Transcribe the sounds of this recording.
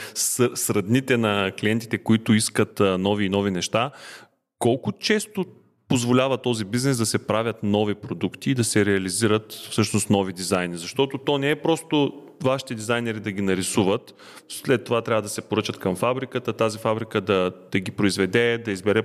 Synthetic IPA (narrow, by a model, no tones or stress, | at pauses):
ssɾɐd̪nit̪ɛnɐkliɛnt̪i̥t̪ɛkoit̪ʊiskət̪nɔviːnɔvinɛʃt̪a | kɔlˠkʊt͡ʃɛst̪o | pozvolʲavət̪ɔzibiznɛsd̪ɐsɛpɾavʲət̪nɔvipɾod̪ukt̪iːd̪ɐsɛɾɛɐliziɾət̪fsɤʃnʊst̪nɔvid̪izajnizɐʃt̪ɔt̪ot̪ɔnɛɛpɾɔst̪o | vaʃi̥t̪ɛd̪izajnɛɾid̪ɐɡinɐɾisuvət̪ | slɛt̪ːovat̪ɾʲavəd̪ɐsɛpoɾɤt͡ʃət̪kɐmfabɾikət̪ət̪azifabɾikəd̪ɐd̪̥ɐɡipɾoizvɛd̪ɛd̪ɐizbɛɾɛ